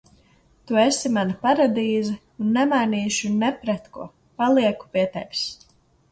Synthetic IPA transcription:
t̪uesimanapaɾad̪iːzɨ | unːɛmajniːʃunɛpɾɛt̪kṵɔ | palˠiɛku̥piɛt̪ɛ̰jkʲs

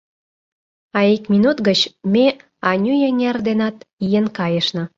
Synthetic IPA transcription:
ɑikmʲinut̪ɡət͡ɕme | ɑnʲyjenʲerd̪enɑt̪ijenkɑjə̆ʃnɤ̆

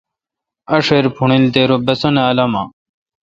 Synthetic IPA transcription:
ɐʂeɾpʰuɳilt̪eɾobɐsoneɐlɐma

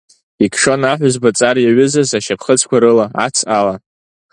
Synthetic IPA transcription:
ikʰʂo̞naħʷʊzbat͡sʼarjaɥʏzazaʃapʰχət͡sʰkʷaɾɨlaa̰t͡sʰala

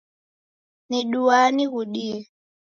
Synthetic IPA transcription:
niɗuwaniɣuɗiɛ

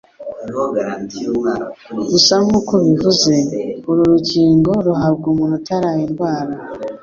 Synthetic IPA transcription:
ɾusamŋuːkoβivuze̞uɾuɾuɟiːŋɡo̞ɾuɦabɡumunutaɾajenɡwaːɾa

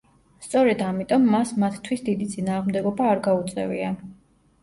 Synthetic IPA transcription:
st̪sʼɔɾɛd̪amit̪ʼɔmːasmat̪ʰt̪ʰwisd̪id̪it̪sʼinaːʁmd̪ɛɡɔbaːɾɡaut̪sʼɛ̰vḭa

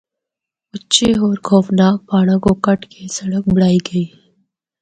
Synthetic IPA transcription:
ʊt͡ʃeoːɾkʰɔːfnaːk̚paːɽ̃əkokɐʈkesɐɽək̚bɐɽaːiɡɐiː

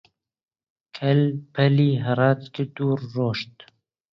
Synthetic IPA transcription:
kʰɛlpʰɛliːɦɨɾɑːt̪kɪd̪uːɾːoːʃt̪

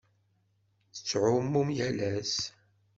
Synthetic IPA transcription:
θə̥t͡sːʕʊmːumjælæs

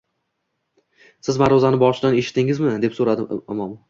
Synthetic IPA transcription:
sɪzmaɾɒzanɪbɒʃɪd̪ane̞ʃɪ̥t̪ːɪŋɪzmɪd̪e̞psoɾad̪ɪɪmɒm

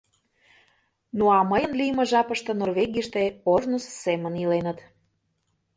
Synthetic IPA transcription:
nuɑməjə̆nlijəmə̆ʒɑpə̆ʃt̪ɤ̆norveɣijəʃt̪eoʒnussːemə̆nilenə̆t̪

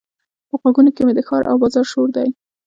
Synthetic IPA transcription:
pəɣwaɡunokemed̪əxɑɾʔa̰wbɑzɑɾʃoɾd̪aj

